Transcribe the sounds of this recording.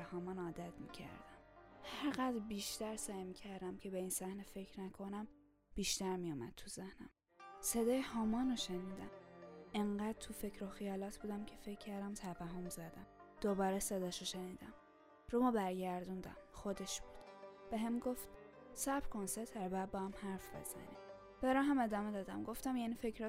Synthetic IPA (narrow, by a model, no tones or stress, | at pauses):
hɒːmɒːnɒːd̪æt̪mḭːcʰæ̰ɾd̪æmhæɾɣæd̪ɾbiːʃt̪æɾsæjmiːcʰæɾd̪æmcʰe̞beiːnsæhnefe̞cʰɾnækʰo̞næm | b̥iːʃt̪æɾmijuːmæ̰d̪̚t̪ʰuzehnæm | sed̪ɒːjehɒːmɒːnoʃeniːd̪æmeɴɢæd̪̥̚t̪ʰufecʰɾoxijɒːlɒt̪ʰb̥uːd̪æmcʰefe̞cʰːæɾd̪æmt̪ʰævæɦomzæd̪æmd̪̥obɒːɾesed̪ɒːʃoʃeniːd̪æm | ɾumɒːbæɾɟæɾd̪und̪æ̰mxod̪e̞ʃb̥uːd̪̥b̥eɦemɡoft̪sæbɾkʰonseɾt̪ʰæɾbææd̪̚bɒːhæmhæɾfb̥ḛz̥æ̰nḭ | b̥æɾɒːɦæme̞d̪ɒːme̞d̪ɒːd̪æ̰mɡo̞ft̪æmjæniːfecʰɾɒ